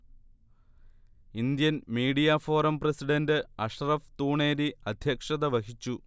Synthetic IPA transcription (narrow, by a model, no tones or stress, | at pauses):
ind̪jɐnmiːɽijaːfo̞ːrɐmprɐsiɖɐndɨɐʂrɐft̪uːɳeːɾiɐd̪ʱjɐkʂɐðɐʋɐkit͡ɕːu